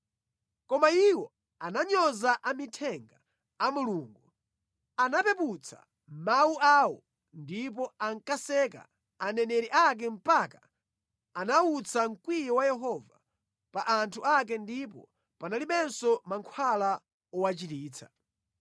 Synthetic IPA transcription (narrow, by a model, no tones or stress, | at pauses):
kɔmaiwɔ | anaɲɔzaʔamitʰɛŋɡaː | muluːŋɡu | anapɛput͡sʰa̰ | mawuʔawɔ | ndip̬ɔaŋkasɛka̰ | anɛnɛɾiʔak̬ɛm̩paka | anaut͡saŋ̩kwijɔwajɛɦɔva | paʔantʰuak̬ɛndipɔ̰ | panaliɓɛnsɔmaŋkʰwala | ɔwat͡ʃitiːt͡sʰḁ